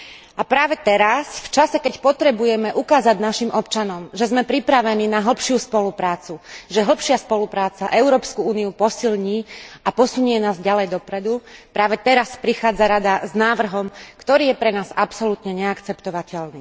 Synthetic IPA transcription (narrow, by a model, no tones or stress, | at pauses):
apɾaːʋɛt̪ɛɾasft͡ʃasɛkɛcpɔt̪ɾɛbujɛmɛʔukaːzaɟnaʃimɔp̚t͡ʃanɔmʒɛzmɛpɾipɾaʋɛniːnaɦl̩pʃɪuspɔlupɾaːt͡suʒɛɦl̩pʃɪaspɔlupɾaːt͡saʔɛʊɾɔːpskuuːniupɔsilɲiːapɔsuɲʊjɛnaːzɟalɛjd̪ɔpɾɛd̪upɾaːʋɛt̪ɛɾaspɾixaːd͡zaɾad̪aznaːʋr̩ɦɔmkt̪ɔɾiːjɛpɾɛnaːzapsɔlut̪ɲɛɲɛakt͡sɛpt̪ɔʋacɛlniː